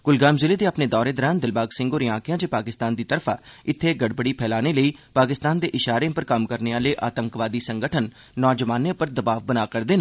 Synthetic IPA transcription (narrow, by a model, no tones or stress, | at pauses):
ɡʊlɡaːmzɪleːd̪eːəpneːd̪ɔːɾeːd̪ɔːɾãːnd̪ɪlbaːɡsɪ̃ŋɡoːɾjãːkɪjãːd͡ʒeːpaːkɪst̪aːnd̪iːt̪əɾfʰaːɪt̪ʰːeːɡəɽbəɽiːpʰɛːlaːneːləiːpaːkɪst̪aːnd̪eːʔɪʃaːɾeãpəɾkəmkəɾneːaːləeiːʔaːt̪əŋkʋaːd̪iːsəŋɡəʈʰənː | ɔːd͡ʒəʋaːnẽːpəɾd̪əbaːʋbənaːkəɾd̪eːnː